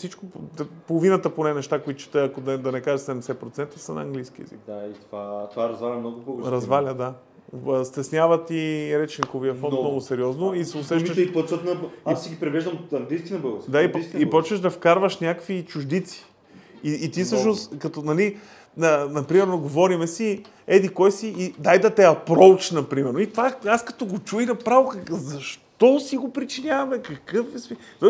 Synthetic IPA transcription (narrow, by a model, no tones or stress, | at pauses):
fsit͡ʃkopolˠovinət̪əponɛnɛʃt̪akoit̪ʊt͡ʃɛ̥t̪ɛɐkod̪ɐd̪ɐnɛkaʒəsɛɛmɛsɛpɾot̪sɛnt̪ɐsənɐ̰ɐŋɡlijsk̟iɛ̰zḭk̚d̪ait̪ovat̪ovaɾɐzvalʲɐmnɔɡʊpoɡɾɾɐzvalʲəd̪a | st̪ɛsnʲavɐt̪iɾɛt͡ʃiŋkoviɐfɔnt̪ːnɔɡʊsɛɾʲiɔznoisɛʊsɛʃəʃipɔt͡ʃət̪nɐbsiɡʲipɾivɛʒd̪əmɐŋɡlijskʲinɐbəɡˠəsd̪aipskipɔt͡ʃvəʒd̪ɐfkaɾvəʃnʲakvit͡ʃuʒd̪it̪si̥ | iːt̪ifsɤʃnoskɐt̪onɐli | nənɐpɾimɛɾnoɡovɔɾimɛsi | ɛd̪ikɔjsiːd̪ajd̪ɐt̪ɛɐpɾowt͡ʃnɐpɾimɛɾnoit̪vaaskɐ̥t̪ɔɡot͡ʃujnɐpɾavokɐzɐʃtt̪ɔsiɡopɾit͡ʃinʲavɐmɛkɐkɤfɛsmit̪ɔ